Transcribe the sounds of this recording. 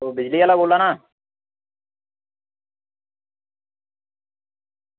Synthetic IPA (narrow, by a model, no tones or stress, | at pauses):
obɪd͡ʒliaːlaboːlːaːnaː